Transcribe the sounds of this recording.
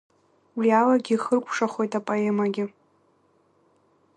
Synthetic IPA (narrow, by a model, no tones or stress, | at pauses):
wialaɡʲiχərkʷʼʰʂaχo̞jtapʼoemaɡʲɪ